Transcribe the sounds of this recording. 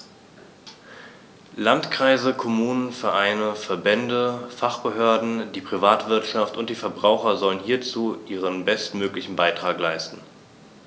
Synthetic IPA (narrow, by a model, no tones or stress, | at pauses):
lantkʁ̥aɪzəkʰomuːnənfɛɐʔaɪnəfɛɐbɛndəfaχb̥əɦøːɐdn̩diːpʁ̥ivaːtv̥ɪɐtʃaftʊnt̚d̥iːfɛɐbʁaʊxɐzɔlənhiːɐt͡suːʔiːʁ̞ənbɛstmøːklɪçn̩baɪtʁ̥aːklaɪstn̩